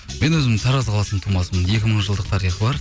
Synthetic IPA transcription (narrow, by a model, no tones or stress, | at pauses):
me̞nwɵzɪmsʰɑɾɑzqɑlˠɑsənt̪ʰumɑsəmənje̞kʲɪməɴʒəlˠd̪əq̚t̪ʰɑɾijχəbɑɾ